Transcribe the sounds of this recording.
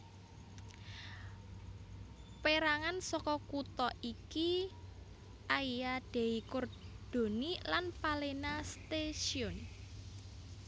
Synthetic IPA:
peɾaŋansɔkɔkut̪ɔiki | ʔajjad̪̥e̤ikord̪̥o̤nilanpalenast̪eʃiʊn

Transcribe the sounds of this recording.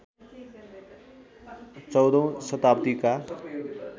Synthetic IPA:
t͡sʌwd̪õsət̪apt̪ika

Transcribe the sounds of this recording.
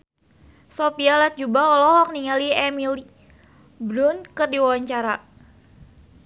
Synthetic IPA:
sopialat̪̚d͡ʒubaɔlɔɦɔk̚niŋaliɛmili | bɾʊnkərdiwawaɲt͡ʃaɾa

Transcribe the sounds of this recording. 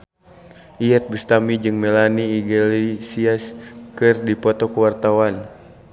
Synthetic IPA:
ʔiɛt̪̚bust̪amid͡ʒɨŋmɛlaniːɡɛlisiaskɨrdipɔt̪ɔkuwart̪awan

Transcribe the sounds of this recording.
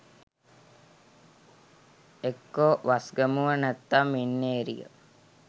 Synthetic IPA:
ekːoʋasɡəmuʋənæt̪ːamːinːeːɾḭjə̰

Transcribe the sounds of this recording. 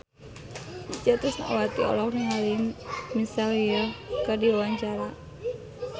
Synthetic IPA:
it͡ʃat̪ɾʊsnaʔa̰wat̪iɔ̰lɔkniŋalinmisaljəkərdiwawaɲt͡ʃaɾa

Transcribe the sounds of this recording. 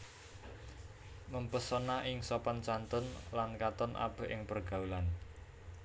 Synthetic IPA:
məmpəsɔnaʔɪŋsɔpɔnt͡ʃant̪ʊnlankat̪ɔnʔa̰b̥ə̤ʔɪŋpərɡ̥a̤ulan

